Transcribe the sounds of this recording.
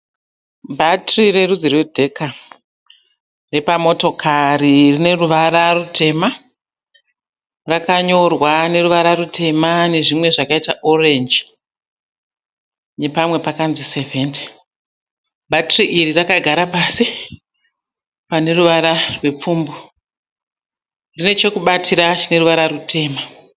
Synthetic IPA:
bʱatrire̞rud͡zirwedʱe̞ka | re̞pamo̞to̞kʰaririne̞ruʋaɾarutʰe̞ma | rakaɲo̞rwane̞ruʋaɾarute̞mane̞ʐimwe̞ʐakaitaʔo̞re̞nd͡ʒ | ne̞pamwe̞pakanzise̞vende | bʱatriʔirirakaɡʱaɾapasi | pane̞ruʋaɾarwe̞p͡fuːmbo | rine̞t͡ʃo̞kuɓatʰiɾat͡ʃine̞ɾuʋaɾarutʰe̞ːma

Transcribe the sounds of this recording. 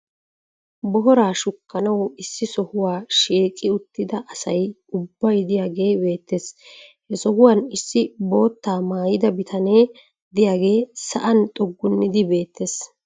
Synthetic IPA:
bɔɦɔɾaːʃʊkːɐnɐwɪsːɪsɔhʊwaːʃiːkʼːɪʊt̪ːɪd̪ɐʔɐsɐj | ʊbːɐjd̪ɪjaːɡe̞ːbe̞ːt̪ːeshɛsɔhʊwaːnɪsːɪbo̞ːt̪ːaːmaːjɪd̪ɐbɪt̪ʰɐneː | d̪ɪjaːɡe̞ːsɐʔɐnt̪ʼɔɡːʊnːɪd̪ɪbe̞ːt̪ːes

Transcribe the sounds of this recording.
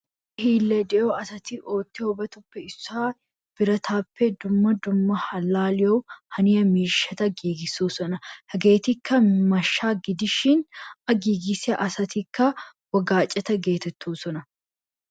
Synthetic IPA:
hiːlːɛd̪ɛʔoːɐsɐt̪ɪʔoːt̪ːɪhɔbɐt̪ʊpːɛɪsːaː | b̥ɪɾɐt̪ʰaːpːɛd̪ʊmːɐd̪ʊmːɐhɐlːaːlɪjowhɐnɪjɐmiːʃɐt̪ɐɡiːɡɪsːuːsɔnɐhɐɡe̞ːt̪ɪkʰːɐmɐʃːaːɡɪd̪ɪʃɪnɐɡiːɡɪsɐʔɐsɐt̪ɪkːɐ | wɐɡaːt͡ʃʼːɐt̪ɐɡe̞ːt̪ɛt̪ʰːuːsɔnɐ

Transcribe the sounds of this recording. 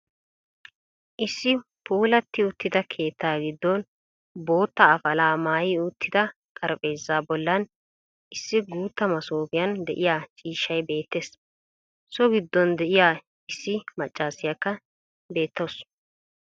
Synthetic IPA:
ʔɪsːɪ | puːlɐt̪ːɪʊt̪ːɪd̪ɐkʰe̞ːt̪ːaːɡɪd̪ːɔn | bo̞ːt̪ːɐːfɐlaːmaːjɪʊt̪ʰːɪd̪ɐ | kʼɐɾpʼe̞ːzːaːbɔlːɐn | ʔɪsːɪɡuːt̪ːɐmɐsoːbɪjɐnd̪ɛʔɪjaːt͡ʃʼiːʃːɐjbe̞ːt̪ːe̞ːs | sɔɡɪd̪ːɔnd̪ɛʔɪjaː | ɪsːɪmɐt͡ʃʼːaːsɪjɐkːɐ | be̞ːt̪ːows

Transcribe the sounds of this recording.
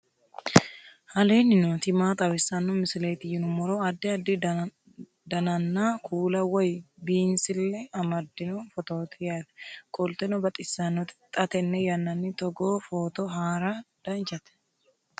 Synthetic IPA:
hɐleːnːɪnoːt̪ɪmaːt̪ʼɐβɪsːɐnːɔmɪsɪlet̪ɪjɪnʊmɔɾoɐd̪ːɪɐd̪ːɪ | d̪ɐnɐnːaːkʰuːlɐwɔjbiːnsɪlːɛɐmɐd̪ːɪnɔfɔt̪oːt̪ɪjat̪ɛ̥kʼɔlt̪ɛnɔbɐt̪ʼɪsːɐnɔt̪ɪ̥t̪ʼːɐt̪ɛnːɛjɐnːɐnːɪt̪ɔɡoːfoːt̪ɔɦaːɾad̪̥ɐnt͡ʃɐt̪ɛ̥

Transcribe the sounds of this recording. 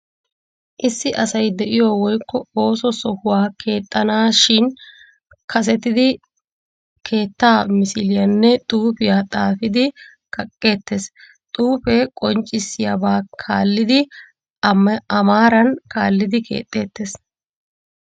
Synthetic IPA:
ʔɪsːɪʔɐsɐjd̪ɛʔɪjoːwɔjkːɔo̞ːsɔsɔhʊwaːkʰe̞ːt̪ʼːɐnaːʃɪn | kʰɐs̬ɛt̪ɪd̪ɪ | kʰe̞ːt̪ːaːmɪsɪlɪjɐnːɛt̪ʼuːpɪjaːt̪ʼaːfɪd̪ɪ | kʰɐkʼːe̞ːt̪ːeːs | t̪ʼuːpɛkʼɔnt͡ʃʼːɪsːɪja̰baːkʰaːlːɪd̪ɪ | ɐmaːɾɐnkʰaːlːɪd̪ɪkʰḛːt̪ʼːe̞ːt̪ːeːs

